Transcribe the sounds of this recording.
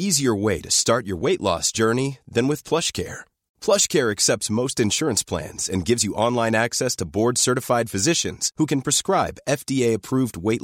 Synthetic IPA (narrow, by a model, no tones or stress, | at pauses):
iziə˞weɪɾɨstɑɹt͡ʃə̰˞weɪʔˡlɔ̰sd̥ʒ̥ɜ˞niðɨ̃nwɨð̥pʰl̥ʌʃkʰɛ̰ɹ | pʰl̥ʌʃkʰɛɹɨksɛp̚tsmoʊstɨ̃nʃʊɹɨ̃nspʰl̥æ̰̃nz̥ɨ̰̃nɡɪvzjɨʔɑ̃nlãɪ̃næksɛstʰəbɔɹdsɜ˞ɾɨfaɪd̥fɨzɪʃɨ̰̃nz̥hukɨ̃npʰɹ̥ɨskɹaɪbɛfd̥ieɪɨpʰɹ̥uvd̚weɪʔ